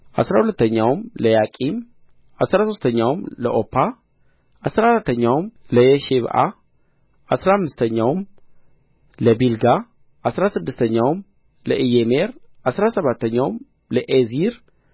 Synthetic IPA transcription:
ʔa̰sɾahulət̪ːəɲːawmləjakʼim | ʔasɾaso̞st̪ʰəɲːawmləʔopʰːa | ʔasɾaɾat̪ʰːəɲːawmləjeʃeβʔa̰ | ʔasɾaamːɨst̪ʰəɲːawm | ləbilɡa | ʔasɾasɨd̪ːɨst̪ʰəɲːawm | ləʔijemeɾʔasɾasəβat̪ʰːəɲːawm | ləʔeziɾ

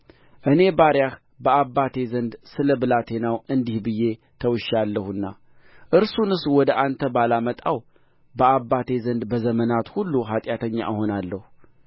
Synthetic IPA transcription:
ʔɨne̞baɾjax | bəabːat̪ʰe̞zənd̪sɨləbɨlat̪ʰe̞nawɨnd̪ihbɨjːe̞ | t̪ʰəwɨʃalːəhɨnːa̰ | ʔɨɾsunɨswɔd̪əʔant̪ʰəbalamət̪ʼaw | bəabːat̪ʰe̞zənd̪bəzəmənat̪hulːuɦat̪ʼjat̪ʰəɲːa̰ʔɨɦo̞nalːəhu

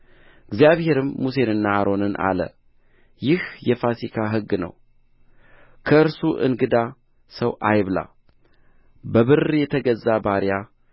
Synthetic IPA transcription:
ɨɡzijaβhe̞ɾɨmːus̬e̞nɨnːaaɾo̞nɨnʔa̰lə̰ | jɪhjɛfasikʰaɦɨɡːnə̰w | kʰəɨɾsuʔɨ̰nɡɨd̪a | səwʔajβla̰ | bəβɨrjɛt̪ʰəɡəzːabaɾja

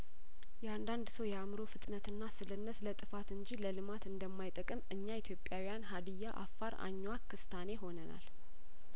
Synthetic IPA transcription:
jɛand̪and̪səwjɛamɾo̞fɨt̪ʼnət̪ɨnːasɨlɨnːət̪lət̪ʼɨfat̪ɨɲd͡ʒiləlɨmat̪ɨnd̪əmːajt̪ʼəkʼɨmɨɲːait̪ʰjo̞pʼjawijanɦad̪ɨjːaʔa̰fːaɾa̰ɲːwakːɨst̪ʰane̞ɦo̞nəna̰l

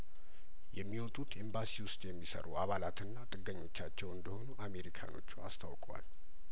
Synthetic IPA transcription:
jɛmːiwɔt̪ʼut̪ʔembasiwʊst̪ʼjɛmːisə̰ɾṵʔaβalat̪ɨnːat̪ʼɨɡːəɲːo̞t͡ʃːat͡ʃːɛwɨnd̪əho̞nuʔame̞ɾikʰa̰no̞̰t͡ʃːua̰st̪ʰawkʼwa̰l

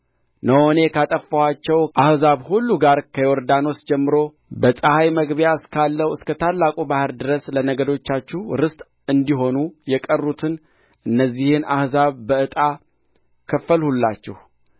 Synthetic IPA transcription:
nəwone̞kʰat̪ʼəfːəwat͡ʃːɛwʔahzaβhulːuɡaɾkʰəjoɾd̪ano̞sd͡ʒɛmːɨɾo̞ | bəsʼəhajməɡbjaɨskʰalːəwɨskət̪ʰalːakʼubahɨɾd̪ɨɾəslənəɡəd̪o̞t͡ʃːat͡ʃːɛhɾɨst̪ʼ | ɨnd̪iɦo̞nujɛkʼərːut̪ʰɨn | ʔɨnːəzːihɨnahzaβbəɨt̪ʼa | kʰəfːəlhulːat͡ʃːɛ̰h

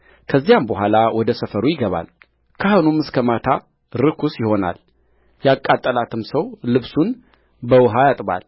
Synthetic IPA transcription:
kʰəzːijambəɦʷalawɔd̪əsəfəɾujɪɡəβa̰l | kʰahonumːɨskʰəmat̪ʰa | ɾɨkʰusjɪho̞na̰l | jakʼːat̪ʼːəlat̪ʰɨmsəwlɨβsun | bəwɨɦajat̪ʼba̰l

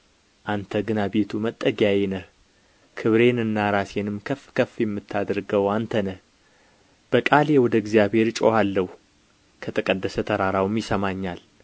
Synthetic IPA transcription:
ʔant̪ʰəɡɨnabe̞t̪ʰumət̪ʼːəɡjajɛnəh | kʰɨβɾe̞nɨnːaɾase̞nɨmkʰəfkʰəfːjɛmːɨt̪ʰːad̪ɾɡəwant̪ʰənə | b̥əkʼaljewɔd̪əɪɡzjabhe̞ɾt͡ʃʼohalːəhu | kʰət̪ʼɨkʼəd̪ːəsət̪ʰəɾaɾawmjɪsəmaɲːal

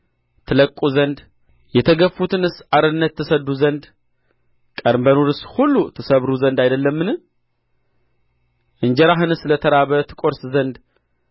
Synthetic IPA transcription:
t̪ʰɨləkʼːuzənd̪ | jɛt̪ʰəɡəfːut̪ʰɨnɨsaɾɨnːət̪ʰːɨsəd̪uzənd̪ | kʼəɾmbənuɾɨshulːut̪ʰɨsəβɾuzənd̪ajd̪əlːəmːɨnɨ | ʔɨnd͡ʒɛɾaɦɨnɨslət̪ʰəɾaβət̪ʰɨ̥kʷʼo̞ɾszənd̪

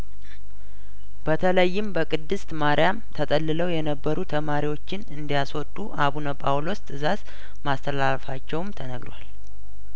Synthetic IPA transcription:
b̥ət̪ʰələjːɪmbəkʼɨd̪ːɨst̪maɾjamt̪ʰət̪ʼəlːɨləwjɛnəbːəɾut̪ʰəmaɾiwo̞t͡ʃːɪnɨnd̪ijaswɔt̪ʼːuʔaβunəpʼawlost̪ʼɨzaz | mast̪ʰəlalfat͡ʃːɛwmt̪ʰənəɡɾwa̰l

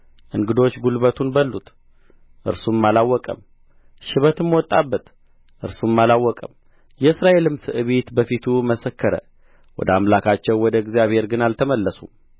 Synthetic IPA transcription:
ʔɨŋɡɨd̪o̞t͡ʃːɡulbət̪ʰunbəlːut̪ | ʔɨ̰ɾsumːalawːɔkʼə̰m | ʃɪβət̪ɨmːwɔt̪ʼːabːət̪ | ʔɨɾsumːalawːɔkʼəm | jɛɨsɾaʔe̞lɨmsɨʔɨβet̪bəfit̪ʰuməsəkːəɾə̰ | wɔ̰d̪əamlakʰat͡ʃːɛwwɔd̪əɡzijaβhe̞ɾɡɨnalt̪ʰəməlːəsum

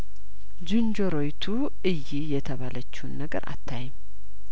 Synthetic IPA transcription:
d͡ʒɨnd͡ʒoɾo̞jt̪ʰu | ɨjːijɛt̪ʰəβalət͡ʃːiwnːəɡə̰ɾʔa̰t̪ʰːajɛm

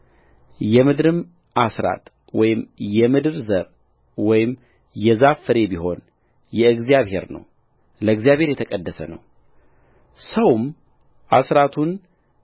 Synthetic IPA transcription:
jɛmɨd̪ɾɨm | ʔasɾa̰t̪ | wɔjɪmjɛmɨd̪ɨɾzəɾ | wɔjɪm | jɛzafəɾe̞biɦo̞n | jɛɨɡzijaβhe̞̰ɾnə̰w | ləɨɡzijaβhe̞ɾjɛt̪ʰəkʼəd̪ːəsə̰nə̰w | səwm | ʔa̰sɾat̪ʰun

